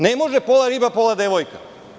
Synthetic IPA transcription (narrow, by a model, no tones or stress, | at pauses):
nemoʒepolˠaɾibapolˠad̪eʋojka